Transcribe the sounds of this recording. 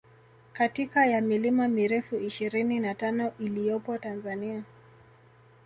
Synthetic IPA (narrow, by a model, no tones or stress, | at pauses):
katikajamilimamiɾɛfuiʃiɾininatanɔʔilijɔpɔtanzania